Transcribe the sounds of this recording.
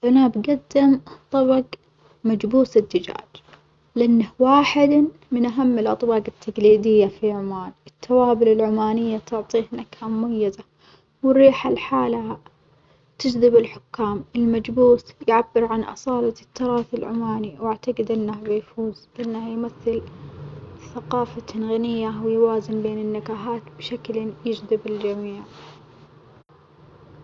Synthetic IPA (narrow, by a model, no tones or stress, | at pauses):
ʔanabɡad̪ːɪmt̪ˤɑbɑɡ | mad͡ʒbuːsɪd̪ːɪd͡ʒa̰ːd͡ʒ | lɪʔanːahwaːħɪd̪ | mɪnʔaɦamːɪlʔɑ̰t̪ˤbɑːqɪt̪ʰːaɡliːd̪ɪjːafiʕʊmaːnɪt̪ʰːawaːbɪlɪlʕʊmaːnɪjːat̪ʊʕt̪ˤiːhnakhamʊmajːɪza | wɪɾiːħalħaːlaa | t̪ɪd͡ʒðɪbɪlħʊkːaːmɪlmad͡ʒbuːθjʕabːɪɾʕanʔɑ̰sˤɑːlɑt̪ːɑɾˤɑːθɪlʕʊmaːniwaʕt̪aqɪd̪ʔɪnːabɪjfuːzʔɪnːahjmaθːɪl | θaqɑːfat̪ʰanɣanɪjːawɪjwaːzɪnbeːnɪnːɪkaːɦaːt̪bʃakljɪd͡ʒd̪ɪbɪld͡ʒamiːʕ